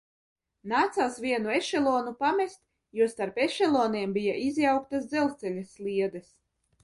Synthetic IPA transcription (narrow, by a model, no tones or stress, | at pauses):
naːt̪saːsvʲiɛnueʃɛlˠɔːnupamɛst̪ | juɔst̪aɾpeʃɛlˠɔːniɛmbijaʔizʲjawk̚t̪asd̪zɛlˠst̪sɛlʲaslʲˠiɛd̪ɛs